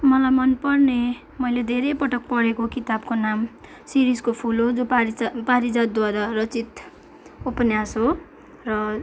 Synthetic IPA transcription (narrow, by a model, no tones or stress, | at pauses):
mʌlajmʌnpʌrne | mʌjled̪ʱeɾejpʌʈʌk̚pʌɾekokit̪ab̚konam | siɾiskopʰulod͡zopaɾid͡zad̪̚ːwaɾarʌt͡sit̪ | upʌnjasɦo | rʌ